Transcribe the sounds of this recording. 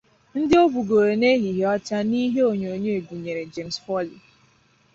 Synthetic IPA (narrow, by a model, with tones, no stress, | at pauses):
n̩˦dɪ˦o˦bu˨ɡo˨ɾe˨ne˦ɦi˨ɦe˨˦ɔ˦t͡ʃa˦ni˦ɦe˦o˨ɲo˨ɲe˦e˨bu˨ɲe˨ɾe˨d͡ʒe˨msfɔ˦li˨